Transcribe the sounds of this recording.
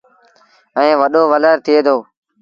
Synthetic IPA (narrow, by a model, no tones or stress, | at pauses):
ɛẽːʋəɗoːʋələɾt̪ʰɪeːd̪ʰoː